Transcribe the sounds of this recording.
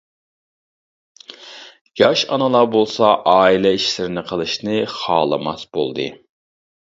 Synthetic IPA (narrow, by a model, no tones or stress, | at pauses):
j̥ɑʃɑnɨlˠɑbolˠsɑʔɑːilɛiʃlɪɾɪnɪqʰəlˠɨʃnɨχɑːlˠɨ̰mɑ̰sbo̰lˠd̪ɨ̰